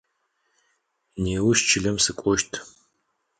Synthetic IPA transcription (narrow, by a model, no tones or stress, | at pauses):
neːwʊʃt͡ʃʰɪɮɐmsɨkʷʼɔʃtʰ